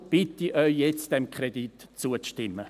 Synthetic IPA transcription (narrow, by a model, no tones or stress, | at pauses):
b̥ɪtiʔœʏjɛt͡sd̥ɛmkχɾeditt͡suəʃtɪmːə